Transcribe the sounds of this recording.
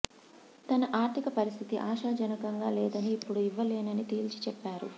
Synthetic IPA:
t̪ɐnɐʔaːɾt̪ʰikɐpɐɾist̪ʰit̪iʔaːʃaːd͡ʒɐnɐkɐŋɡaːlɛːd̪ɐniːpːuɽuiʋːɐlɛːnɐnit̪iːlt͡ʃi̥t͡ʃɛpːaːɾu

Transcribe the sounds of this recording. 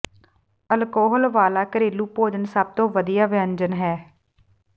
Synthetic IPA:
əlkoːɦəlʋaːlaːkəɾeːluːpoːd͡ʒənsəb̚t̪õːʋəd̪ijaːʋɪəɲd͡ʒənɦɛː

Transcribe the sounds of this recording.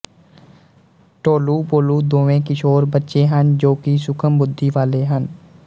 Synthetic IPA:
ʈoːluːpoːluːd̪oːʋẽːkɪʃoːɾbətːʃeːɦənd͡ʒoːkisʊkʰəmbʊd̪ʱːiːʋaːleːɦən

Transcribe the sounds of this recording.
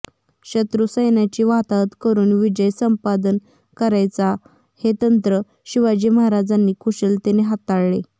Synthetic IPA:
ɕət̪ɾusəjnjat͡ɕiːʋat̪at̪kəɾuːnʋid͡ʑəjsəmpad̪ən | kəɾajt͡sa | het̪ənt̪ɾə | ɕiʋad͡ʑiməɦaɾad͡zanːiːkʰuɕəlt̪eneɦat̪aɽɭe

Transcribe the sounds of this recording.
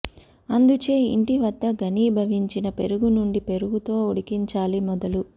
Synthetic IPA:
ɐnd̪ut͡ʃeːḭɳʈiʋɐd̪ːɐɡɐniːbʱɐʋiɲt͡ʃinɐpe̞ɾuɡunuɳɖipe̞ɾuɡut̪o̞ːuɽikiɲt͡ʃaːlimɔd̪ɐlu

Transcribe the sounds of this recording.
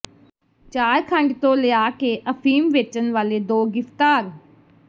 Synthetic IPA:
t͡ʃaːjkʰə̃ɳɖt̪õːlejaːkeːʔəfʰiːmʋeːt͡ʃənʋaːleːd̪oːɡɪft̪aːɾ

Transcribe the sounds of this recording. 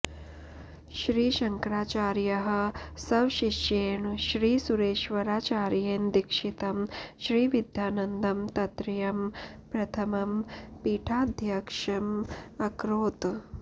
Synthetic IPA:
ʃɾiːʃɐŋkɾaːt͡ʃaːɾjɐɦɐ̆sɐʋʃiʃeːɳʃɾiːsuɾeːʃʋɐɾaːt͡ʃaːɾjeːnd̪ikʂit̪ɐmʃɾiːʋid̪ʱjaːnɐnd̪ɐmt̪ɐt̪ɾijɐmpɾɐt̪ʰɐmɐmpiːʈʰaːd̪ʱjɐkʂɐmɐkɾoːt̪

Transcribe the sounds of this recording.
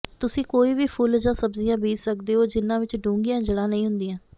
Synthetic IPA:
t̪ʊsĩːkoːiːʋiːpʰʊld͡ʒãːsəbzijãːbiːssəkd̪eːɦoːd͡ʒɪnːãːʋɪt͡ʃɖũːŋɡijãːd͡ʒəɽãːnəĩːɦʊ̃nd̪ijãː

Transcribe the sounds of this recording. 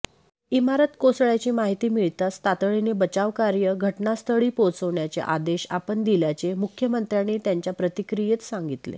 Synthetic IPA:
imaɾət̪kosɭjat͡ɕiːmaɦit̪iːmiɭt̪ast̪at̪ɭinebət͡ɕaʋkaɾjəɡʱəʈnast̪ʰəɭiːpot͡səʋɳjat͡sḛʔa̰d̪eɕa̰pəɳd̪iljat͡semukʰjəmənt̪ɾjaniːt̪jaɲt͡ɕjapɾət̪ikɾijet̪saŋɡit̪lḛ

